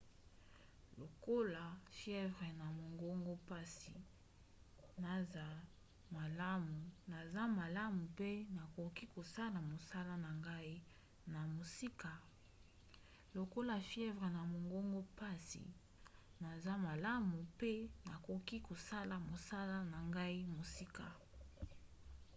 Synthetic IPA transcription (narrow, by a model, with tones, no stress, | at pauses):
lo˨ko˦la˨fjɛ˦vʁe˨na˨mo˨ŋɡo˦ŋɡo˦pa˦sḭ˨ | na˨za˨ | ma˨la˦mu˨na˨za˦ma˨la˦mu˨pe˦na˨ko˨ki˦ko˨sa˦la˨mo˨sa˦la˦na˨ŋɡa˦i˦ | na˨mo˨si˦ka˨ | lo˨ko˦la˨fjɛ˦vʁe˨na˨mo˨ŋɡo˦ŋɡo˦pa˦sḭ˨ | na˨za˦ma˨la˦mu˨pe˦na˨ko˨ki˦ko˨sa˦la˨mo˨sa˦la˦na˨ŋɡa˦i˦mo˨si˦ka˨